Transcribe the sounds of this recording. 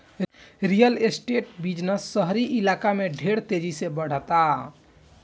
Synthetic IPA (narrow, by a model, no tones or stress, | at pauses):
ɾijəlesʈeʈ̚bid͡ʒnəsːəɦɾiʔilakameɖʱeɽt̪ed͡ʒisebəɽ̤ət̪a